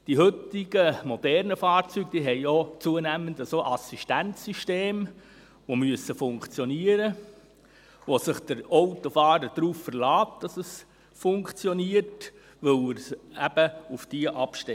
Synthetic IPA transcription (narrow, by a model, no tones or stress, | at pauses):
d̥iɦɵt̪ɪɡəmod̥ɛɾnəfɑːɾt͡syɡ̥̚d̥iɦɛjot͡suənæmənd̪əsoʔɑsiʃtænt͡sːyʃteːm | ʋomyəsəfʊŋkt͡sjɔniəɾə | ʋosəχd̥əɾoʊtofɑːɾəd̥ɾuːffərlɑːtd̥ɑsəs | fʊŋkt͡sjɔniərt | ʋɵwɪɾsæb̥əufd̥iəʔɑpʃtɛ